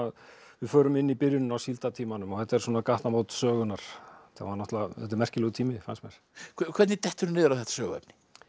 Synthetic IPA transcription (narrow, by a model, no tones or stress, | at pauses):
að | vɪðfœːɾʏmɪnːipɪɾjʏnʏnawsilt̪at̪ʰiːmanʏmɔhɛht̪ːaɛɾ̥swɔːnakaht̪namoːwt̪sœːɣʏnaɾ̥t̪ʰa̰anɔht̪laɛ̰t̪ɛɾmɛr̥cɪlɛɣt̪ʰiːmɪfa̰nsmɛɾ̥ | kʰkʰvɛt̪nɪt̪ɛht̪ʏɾʏnɪːðʏɾawθɛht̪ḁsœːɣɛ̰pnɪ̥